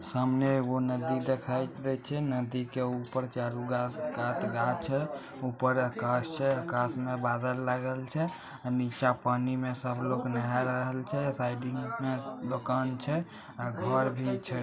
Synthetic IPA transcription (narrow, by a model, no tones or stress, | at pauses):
səmneɡonəd̪id̪ekʰajd̪ɛt͡ʃʰɛnəd̪ikeupəɾt͡ʃaɾuɡaɡat̪ɡat͡ʃʰɛ | upəɾəkast͡ʃʰɛəkasmebad̪əlːaɡəlt͡ʃʰɛ | anit͡ʃapanimesəbʱloknajaɾəɦəlt͡ʃʰɛsaɪɖiŋɡmed̪okant͡ʃʰɛ | aɡʱəɾbʱit͡ʃʰɛ